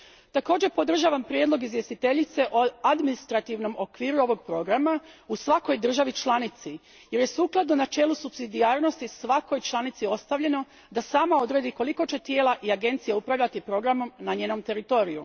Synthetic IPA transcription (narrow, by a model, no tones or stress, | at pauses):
t̪ako̞ːd͡ʑe̞po̞d̪r̩ʒaːʋampɾjed̪lˠo̞ɡizʋje̞st̪it̪e̞ʎit̪se̞ʔoad̪minist̪ɾat̪iʋno̞mo̞kʋiːɾuo̞ʋo̞ɡ̚pɾo̞ɡɾamausʋako̞jd̪r̩ʒaʋit͡ʃlˠanit̪si | je̞ɾje̞suːklˠad̪no̞nat͡ʃe̞ːlusupsid̪iaːɾno̞st̪isʋako̞jt͡ʃlˠanit̪sio̞st̪aʋʎe̞no̞ | d̪asaːmao̞d̪ɾe̞ːd̪iko̞liko̞t͡ʃe̞t̪jeːlˠaʔiaɡe̞nt̪sijeupɾaʋʎat̪ipɾo̞ɡɾamo̞mnaɲe̞ːno̞mt̪e̞ɾit̪o̞ːɾiju